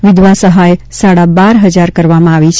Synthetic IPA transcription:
ʋɪd̪ʋasəɦajsaɽabaɾɦəd͡ʒaɾkəɾʋamãaʋit͡ʃʰ

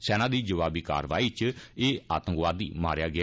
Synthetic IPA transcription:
sɛːnãːd̪iːd͡ʒəʋaːbiːka̰ːɾʋa̰ːiːt͡ʃeːa̰ːt̪ə̃ŋkʋaːd̪ḭːma̰ːɾejaːɡɪa

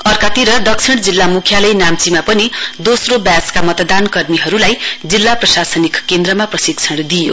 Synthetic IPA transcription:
ʌrkat̪iɾʌd̪ʌk̚t͡sʰiɽd͡zilːamukʰjalʌjnamt͡simapʌnid̪osrobjaskamʌt̪d̪ankʌrmiɦʌɾulajd͡zilːaprʌsasʌnikkend̪ɾʌmaprʌsikt͡sʰʌɽd̪ijo

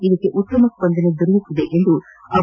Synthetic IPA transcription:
id̪ɐkːeʔut̪ːɐmɐkːbɐnd̪ɐned̪uɾjut̪ːid̪eʔend̪uɐ

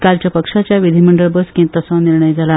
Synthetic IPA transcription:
kalt͡ɕjapəkʂat͡ɕjaʋid̪ʱiməɳɖəɭbəskĩt̪əsãniɾɳəjd͡zʱala

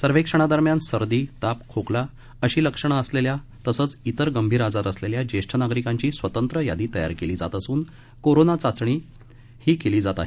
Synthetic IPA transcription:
səɾʋekʂəɽ̃ad̪əɾmjansəɾd̪iːt̪apkʰokla | əɕiːləkʂəɽ̃aəsleljat̪əsəːt͡sit̪əɾɡəmbʱiːɾad͡zat̪əsleljad͡ʑeʂʈʰənaɡɾikãɲt͡ɕiːsʋət̪ənt̪ɾəja̰d̪iːt̪əja̰ɾkeliːd͡za̰t̪əsuːn | koɾonat͡sat͡sɳ̃iː | hiːkeliːd͡zat̪a̰ɦe

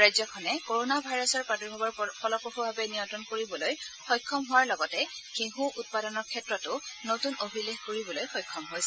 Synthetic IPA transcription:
ɹajzɔkʰɔnɛkoɹonabʱajɹɔsɔɹpatɔɹbʱabɔɹpʰɔlɔpɹoxubʱabɛnijɔntɹɔnkoɹibɔlojxɔjkʰːɔmɦʊwaɹlɔɡɔtɛkeɦuʔut̚padɔnɔɹkʰːɛtɹɔtʊnotunobʱilexkoɹibɔlojxɔjkʰːɔmɦojsɛ

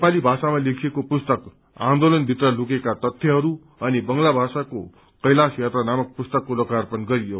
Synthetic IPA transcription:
nepalibʱasamalekʰiekopust̪ʌk | ãnd̪olʌnbʱit̪rʌlukekat̪ʌt̪ʰːjʌɦʌɾu | ʌnibʌŋlabʱasako̰ | kʌjlasjat̪ranamʌk̚pust̪ʌkːolʌkarpʌnɡʌɾijo

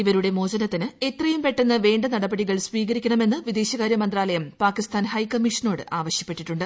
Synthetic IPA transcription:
iʋɐɾuɽe̞mo̞ːd͡ʑɐnɐt̪ːinɨe̞t̪rɐjumpe̞ʈːenːɐʋe̞ːɳɖɐnɐɽɐbɐɽiɣɐɭsʋiːɣɐɾikʲːɐɳɐme̞nːɨʋid̪e̞ːɕɐɣaːɾjɐmɐnd̪raːlɐjɐmpaːkːist̪ʰaːnhɐjkɐmːiʂɐno̞ːɽɨʔaːʋɐɕjɐ̥pːe̞ʈːiʈːuɳɖɨ

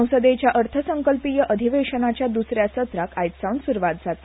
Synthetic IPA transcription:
əwsəd̪et͡ɕjaʔəɾt̪ʰəsəŋkəlpijəʔəd̪ʱiʋeʂənat͡ɕjad̪usɾjasət̪ɾakʰajt̪sawnsuɾʋat̪d͡zʱat̪

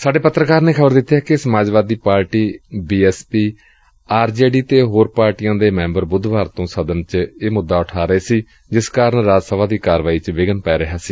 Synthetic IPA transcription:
saːɖeːpət̪ːɾəkaːɾneːkʰəbəɾd̪ɪt̪ːaːkɪsəmaːd͡ʒʋaːd̪iːpaːɾʈiːbiːɛːspiː | aːɾd͡ʒeːɖiːt̪eːɦoːɾpaːɾʈijãːd̪eːmɛ̃ːmbəɾbʊd̪ʱʋaːɾt̪õːsəd̪ənt͡ʃeːmʊd̪ːaːʊʈʰaːɾəeːsiː | d͡ʒɪskaːɾəɳɾaːd͡ʒsəʋaːd̪iːkaːɾʋaːiːt͡ʃʋɪɡənpɛːɾəɦaːsiː

